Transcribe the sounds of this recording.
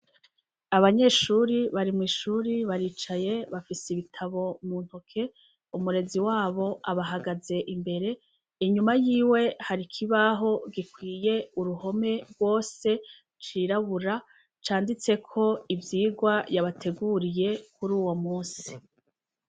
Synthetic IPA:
aβaɲe̞ʃuːɾiβaɾimŋiːʃuɾiβaɾiːt͡ʃaje̞βafisiβitʰaβo̞muːn̥hokʰe̞ | umuɾe̞ziwaːβo̞ʔaβaɦaɡaze̞ʔimbe̞ɾe̞ | iɲumajiːwe̞haɾikʰiβaɦo̞ɡikwiːje̞uɾuho̞me̞ɾɡwo̞ːse̞ | t͡ʃiːɾaβuɾa | t͡ʃaːndit͡se̞kʰo̞ivjiːɡwajaβatʰe̞ɡuɾije̞kuɾuːwo̞muːsi̥

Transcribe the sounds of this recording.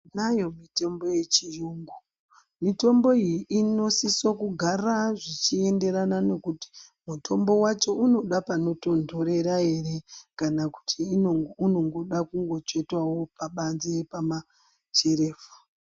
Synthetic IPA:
najo̞mite̞mbo̞je̞t͡ʃijuŋɡu | mito̞mbo̞ijiʔino̞sisokuɡʱaraʐit͡ʃie̞nde̞ɾanane̞kuti̥ | mutʰo̞mbo̞wat͡ʃo̞uno̞ɗapano̞to̞ndʱo̞ɾe̞ɾae̞re̞kanaku̥tʰiːounoŋɡoɗakuŋɡo̞t͡ʃe̞twawo̞paɓanziepama | t͡ʃe̞ɾe̞ːfu̥

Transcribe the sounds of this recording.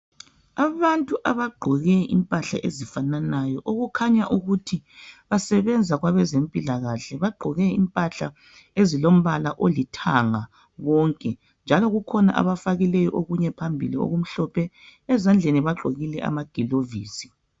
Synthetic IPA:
aβantʼuʔaβaɡ͡ǃʱɔɣɛʔḭmpʼaɬa̰ʔḛzifananajɔʔoɣukʰaɲaʔuɣutʰiβasɛβɛnd͡zʱaɣwaβɛzempʼilaɣaɬɛβaɡ͡ǃʱɔɣɛimpʼaɬa | ezilom̩βalaʔolitʰaŋa | ɣɔŋkʼɛ | nd͡ʒʱalɔɣukʰɔna̰ʔa̰βafaɣilɛjɔʔoɣuɲɛpʰambʱilio̰ɣum̩ɬɔpʰɛ | ɛzand͡ɮʱeniβaɡ͡ǃʱoɣilɛʔa̰maɡ̥ʱiloviːsi̥

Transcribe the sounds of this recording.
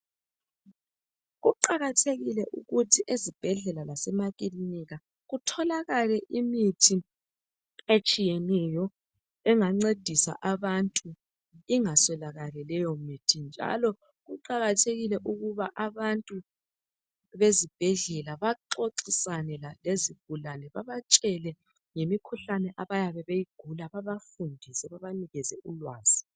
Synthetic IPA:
ɣuǃaɣatʰeɣilɛʔuɣutʰiʔezib̥ʱɛɮɛlalasɛmaɣʼiliniɣa | ɣutʰɔlaɣalɛʔimitʰi | et͡ʃʼijɛnɛjɔ | ɛŋaŋ͡ǀed̥ʱisa̰ʔaβantʼu | iŋasɛlaɣalɛlɛjɔmitʰind͡ʒʱa̰lɔ | ɣuǃaɣatʰeɣilɛʔuɣuβaʔaβantʼu | βezib̥ʱɛɮɛlaβaǁoǀisanɛlaleziɡ̥ʱulanɛβaβat͡ʃʼɛlɛ | ŋemikʰuɬanɛʔaβajaβɛβejiɡ̥ʱulaβaβafundʱisɛβaβaniɣɛzɛʔulwaːz̥i

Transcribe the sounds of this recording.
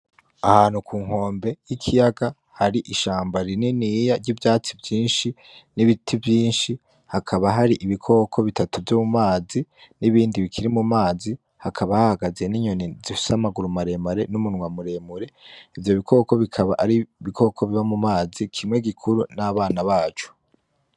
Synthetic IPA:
ahaːnhukʰuːŋho̞ːmbe̞jikʰijaɡa | haɾiʔiʃaːmbaɾininijaɾɟiːvjaːt͡sivjiːnʃi | niβitʰivjiːnʃi | hakʰaβaɦaɾiʔiβikʰo̞ːkʰo̞βitatuvjoːmumaːziniβiːndiβikʰiɾimumaːzi | hakʰaβahahaɡaze̞niɲo̞nizifi̥samaɡuɾumaɾe̞maɾe̞numunŋwamuɾe̞muɾe̞ivjo̞βikʰo̞ːko̞βikʰaβaʔaɾiβiko̞ːkʰo̞βiβamumaːzikʰimŋe̞ɡikʰuɾunaβaːnaβaːt͡ʃu̥

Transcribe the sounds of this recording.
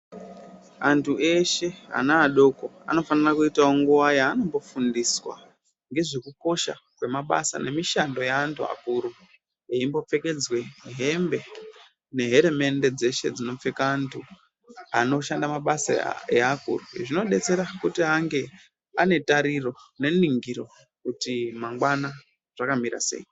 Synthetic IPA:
antʰuʔe̞ʃe̞a̰naːɗo̞ko̞a̰no̞fanirakuitaoŋɡuʋajaːno̞mbo̞fundiswa̰ | ŋɡe̞ʐe̞kuko̞ʃa̰kwe̞maɓa̰sa̰ne̞miʃando̞jaːntʰua̰kuɾu | eimbo̞p͡fe̞ke̞d͡zwe̞ɦe̞mbe̞ | ne̞ɦe̞ɾeme̞nde̞d͡ze̞ʃe̞̰d͡zino̞fekaːntʰu | ano̞ʃandamaɓasa̰eakṵruʐino̞ɗe̞t͡se̞ɾakutiaŋɡe̞ | ane̞taɾiro̞ne̞niŋɡiɾo̞ | kutimaŋɡwana | ʐ̥akamiɾa̰se̞̰ji

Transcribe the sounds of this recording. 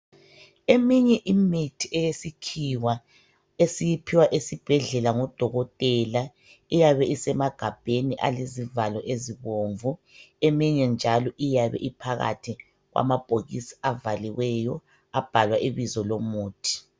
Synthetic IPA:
emiɲɛʔimitʰiʔɛjesikʰiwa | esijipʰiwaʔesib̥ʱɛɮɛlaŋɔd̥ʱɔɣɔtʼɛːla | ijaβɛisɛmaɡ̥ʱab̥ʱeniʔa̰lezivalɔʔeziβoɱvu | emiɲɛnd͡ʒʱalɔʔijaβɛ̰ʔipʰaɣa̰tʰi | ɣwʔa̰mab̥ʱoɣisi̥avaliwɛjɔ | ab̥ʱalwaʔiβizɔlomuːtʰi̥

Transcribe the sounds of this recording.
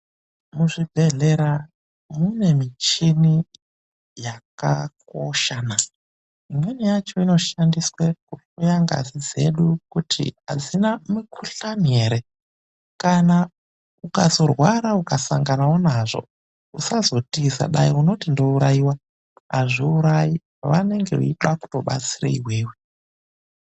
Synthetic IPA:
muʐibʱe̞ɮeɾa | mune̞mit͡ʃini | jaka̰koʃaːna | imwenijat͡ʃo̞ino̞ʃandiswekufujaŋɡa̰zid͡ze̞̰ɗukutʰḭɦa̰d͡zinamikʰuɬameɾe | kana | ukazo̞rwaɾaukasaŋɡanawonaʐo̞̰ | usazo̞tisa̰ɗaiuno̞tindo̞uɾaiwa | a̰ʐiuɾaji | ʋane̞ŋɡe̞̰ṵiɗaku̥to̞ɓa̰t͡sira̰iɦweːwe

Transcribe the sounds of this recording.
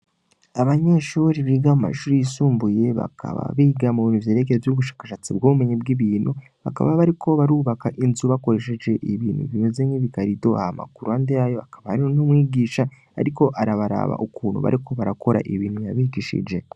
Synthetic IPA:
aβaɲe̞ʃuːɾiβiɡamuma̰ʃuːɾijisuːmbuje̞βa̰kʰa̰βa̰βiɡamuiːnuvjeːɾe̞keɾevjuβuʃḁːkḁʃat͡sibɡuβume̞ɲibɡiβiːnu | βa̰ka̰βaβaɾikʰo̞βaɾuːβakaʔinzuβako̞ɾe̞ʃe̞d͡ʒe̞ʔiβiːn̤ṵiβiːnuzemiβikaɾido̞a̰hama̰kuɾuandejajo̞akaβahaɾionumwiːɡiːʃa | a̰ɾiko̞ʔaɾaβaɾa̰βa̰ʔukuːnṵβa̰ɾiko̞βaɾakʰo̞ɾa̰ʔiβiːnhujaβiɡiːʃḭd͡ʒe̞

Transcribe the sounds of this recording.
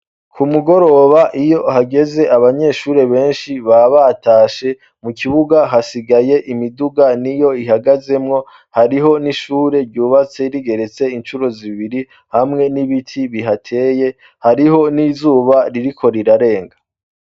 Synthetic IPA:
kʰumuɡo̞ɾo̞βaʔijo̞haɡe̞ze̞ʔaβaɲe̞ʃuːɾe̞βe̞ːnʃiβaβataːʃe̞ | mukʰiβuɡaɦasiɡaje̞ʔimiduɡanijo̞iɦaɡaze̞mŋo̞ | haɾiɦo̞niʃuːɾe̞ɾɟuːβat͡se̞ɾiɡe̞ɾe̞t͡se̞int͡ʃuɾo̞ziβiɾi | hamŋe̞niβitʰiβiɦatʰe̞ːje̞ | haɾiho̞niːzuːβaɾiɾikʰo̞ɾiɾaɾe̞ːŋɡḁ

